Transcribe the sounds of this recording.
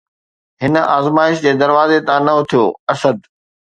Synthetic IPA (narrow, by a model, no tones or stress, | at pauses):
ɦɪnə̆aːzmaːɪʃd͡ʑeːd̪ɐɾʋaːzet̪ãːnɐʊt̪ʰijo̰ːɐsəd̪